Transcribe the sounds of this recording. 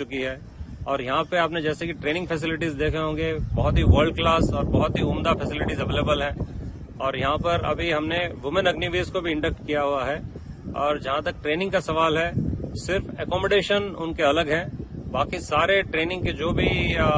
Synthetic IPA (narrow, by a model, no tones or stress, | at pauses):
ʊkiɦɛː | ɔːɾjɐɦãpeaːpned͡ʒɛːsekiʈɾeːnɪ̃ŋɡfʰɛs̬ɪlɪʈizd̪eːkʰeɦõːŋɡebɐɦʊt̪ɦiʋəɾɖ̚klaːsɔːɾbɐɦʊt̪ɦiʊːmd̪afʰɛsɪlɪʈizɐʋeːləbəlɦɛ̃ː | ɔːɾjɐɦãpɐɾɐ̰bʱiɦɐmneʋʊmə̃nɐɡniʋiːzkobʱiɪ̃ɳɖək̚ʈkijaɦuaɦɛː | ɔːɾd͡ʒɐɦãt̪ɐk̚ʈɾeːnɪ̃ŋɡkasɐʋaːlɦɛsɪɾfɛkɔːməɖeːʃənʊ̰nkeɐləɡɦɛ̃ːbaːkisaːɾeʈɾeːnɪ̃ŋɡ̚ked͡ʒoːbʱi